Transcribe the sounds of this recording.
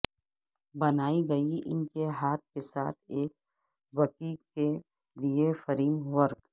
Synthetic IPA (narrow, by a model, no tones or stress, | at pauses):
bɐnaːiɡɐiʔɪ̰nkeɦaːt̪̚kesa̰ːt̪ʰeːk̚ | wɐkiːke | liefɐɾiːmʋɐɾk